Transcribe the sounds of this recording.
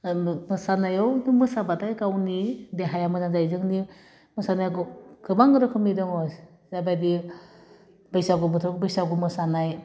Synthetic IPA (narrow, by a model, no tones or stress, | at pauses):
mɯsanajɔwnumɯsabatajkawnideɦajamɯzanzajzɯŋni | mɯsanajɡɡɯbaŋɡɯɾɯkʰɯmnidɔŋɔs | zabajdi | bajsaɡɯbɯtʰɔk̚bɯjsaɡɯmɯsanaj